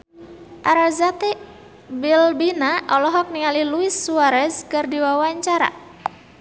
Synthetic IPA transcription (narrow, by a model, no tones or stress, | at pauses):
ʔaɾazat̪ɛ | bilbinaʔɔlɔɦɔk̚niŋaliluisːuaɾɛskɨrdiwawaɲt͡ʃaɾa̰